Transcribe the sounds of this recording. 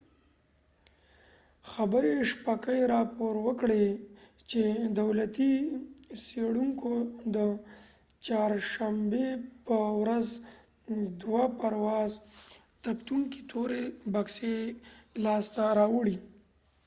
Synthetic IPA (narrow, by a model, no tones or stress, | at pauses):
xabəɾeʂpakəjeɾɑpoɾwəkɽet͡ʃed̪awlat̪i | seɽuŋkod̪ə | t͡ʃɑɾʃambepəwɾaz | d̪wapaɾwɑz | t̪apt̪uŋki̥t̪ʰoɾebakselɑst̪aɾɑwəɽi